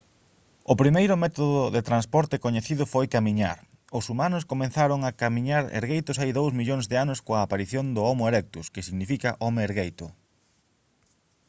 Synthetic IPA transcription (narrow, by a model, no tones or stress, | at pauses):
ʊpɾimejɾʊmɛt̪oðʊðet̪ɾanspɔɾt̪ɪkoɲeθiðʊfojkamiɲaɾ | ʊsumanʊskomẽnθaɾʊŋakamiɲaɾḛɾɣejt̪ʊsajðowzmiʎoŋzðɪanʊskoɐːpaɾiθjond̪ʊɔmʊelɛk̚t̪uskɪsiɣnifikɐʔɔmeeɾɣejt̪ʊ